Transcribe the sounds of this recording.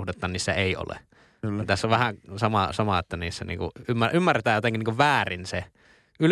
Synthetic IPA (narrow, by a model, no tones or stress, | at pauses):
ht̪et̪ːˑɑːnniːsːæeˑio̰lḛ | t̪æsːoʋʋæhæsɑmɑsɑmɑet̪ːæniːsːæ̰nḭːŋkṵʔymːæymːærːet̪æːjot̪eŋkinːiːŋkuʋʋæːrinse | yl